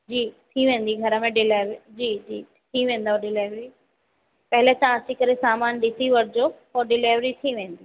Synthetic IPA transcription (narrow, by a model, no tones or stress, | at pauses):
d͡ʑiːt̪ʰiʋẽːn̆d̪iɡʱɐɾə̆mẽɖɪlaːʋid͡ʑiːd͡ʑiː | t̪ʰiʋẽːn̆d̪aoɗɪleːʋɾi | pɐɦɪlet̪ãɐsikɐɾesaːmaːnɗɪsiʋɐɾɪd͡ʑopoːɖɪleːʋɾit̪ʰiʋẽːn̆d̪iː